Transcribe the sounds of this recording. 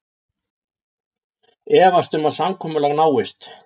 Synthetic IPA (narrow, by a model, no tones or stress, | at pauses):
ɛːvast̪ʏmaðsamkʰɔːmʏlɛɣnaːwɪst̪